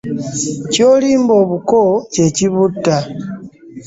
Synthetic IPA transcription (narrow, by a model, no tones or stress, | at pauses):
coːliːmbo̞ːβukoce̞ciβutːa